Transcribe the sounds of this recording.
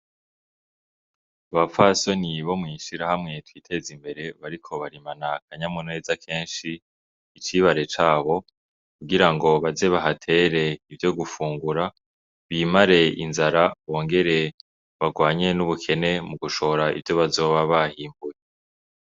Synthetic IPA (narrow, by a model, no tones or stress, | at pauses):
aβafaso̞niβo̞mŋiʃiɾahamŋe̞twiːtʰe̞zimbe̞ɾe̞βaɾikʰo̞βaɾimanak̚ʰaɲamune̞ːzakʰe̞ːnʃiː | t͡ʃiβaɾe̞t͡ʃaːβo̞ | kuɡiɾaŋɡo̞βaze̞βaɦatʰe̞ɾe̞ivjo̞ɡufuːŋɡuɾa | βiːmaɾe̞ḭnzaɾaβo̞ːŋɡe̞ɾe̞ | βaɡwaːɲe̞nuβukʰe̞ne̞muɡuʃo̞ɾaḭvjo̞βazo̞ːβaβahiːmbuje